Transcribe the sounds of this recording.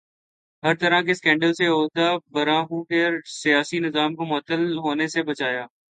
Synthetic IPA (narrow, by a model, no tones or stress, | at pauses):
ɦɐɾt̪əɾakeskɛ̃ːɳɖəlseɦoːt̪abɐɾaːɦũːkeɾsɪjaːsinɪzaːmkomʊət̪ːəlɦoːnesebɐt͡ʃaːjaː